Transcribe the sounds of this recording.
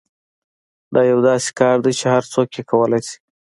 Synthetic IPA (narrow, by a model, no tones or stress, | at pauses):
d̪ɑjawd̪ɑse̥kɑɾd̪ajt͡ʃehaɾt͡sokjekʰawəlajsi̥